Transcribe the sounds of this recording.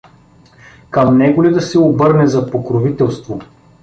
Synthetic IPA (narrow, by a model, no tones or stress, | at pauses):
kɐmnɛɡʊlid̪ɐsɛobɤɾnɛzɐpokɾovit̪ɛlˠst̪vo